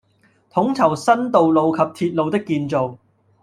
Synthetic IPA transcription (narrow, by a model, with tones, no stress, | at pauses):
t̪ʰʊ˨˥ŋt͡sʰɐ˨˩wsɐ˥nt̪o˨wlo˨˧wkʰɐ˨p̚t̪ʰiː˧t̚lo˨wt̪ɪ˥kːiː˧nt͡so˨w